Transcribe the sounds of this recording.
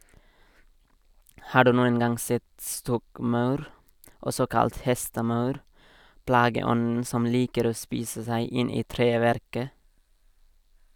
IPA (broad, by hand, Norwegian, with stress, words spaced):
ˈhɑː ˈɖʉː ˈnuːən ˈɡɑŋ ˈsɛt ˈstɔkˌmɑʉɾ ˈɔsɔ ˈkɑlt ˈhɛstəˌmɑʉɾ ˈplɑːɡəˌɔnn̩ ˈsɔm ˈliːkəɾ ˈoː ˈspiːsə ˈsæɪ ˈɪn ˈiː ˈtɾeːˌʋæɾkə